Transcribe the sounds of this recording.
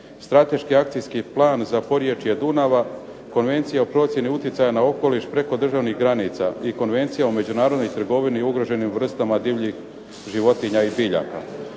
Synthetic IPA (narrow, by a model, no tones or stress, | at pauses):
st̪ɾat̪e̞ʃkiak̚t̪ijskiplˠaːnzapo̞ɾje̞t͡ʃije̞d̪unaʋa | ko̞nʋe̞nt̪sijaopɾo̞t̪sje̞niut̪jet̪sajanao̞ko̞liʃpɾe̞ko̞d̪r̩ʒaʋnixɡɾanit̪saiko̞nʋe̞nt̪sijaome̞d͡ʑunaːɾod̪no̞jt̪r̩ɡo̞ʋiniuɡɾo̞ʒe̞nimvr̩st̪amad̪iʋʎix | ʒiʋo̞t̪iɲaibiʎa̰ka̰